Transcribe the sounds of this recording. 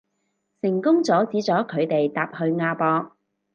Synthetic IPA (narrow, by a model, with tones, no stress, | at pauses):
sɪ˨˩ŋkʊ˥ŋt͡sɔː˨˥t͡siː˨˥t͡sɔː˨˥kʰɵ˨˧ɥt̪e˨jt̪aː˨p̚hɵ˧ɥŋaː˧pɔː˧k̚